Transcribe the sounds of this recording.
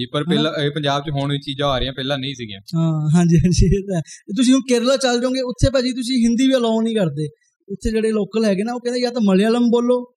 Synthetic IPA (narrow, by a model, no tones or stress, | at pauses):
iːpəɾɛːlãeːpəɲd͡ʒaːb̚t͡ʃɦoːɳĩːt͡ʃiːd͡ʒãːaːɾeãːpɛːlãːnəĩːsɪɡjã̰ːɦãːɦãːɲd͡ʒiːɦãːɲd͡ʒiːt̪ɛt̪̬ʊs̬ĩːũːkeɾlaːt͡ʃəld͡ʒaõːɡeːʊt̪ʰːeːpɛːd͡ʒiːt̪̬ʊs̬ĩːɦɪnd̪iːʋiːəlɔːnĩːkəɾd̪eː | ʊt̪ʰːeːd͡ʒeːɽeːloːkəlɦɛːɡeːnaːoːkɛ̃ːnd̪eːjaːt̪aməljaːləmboːlːoː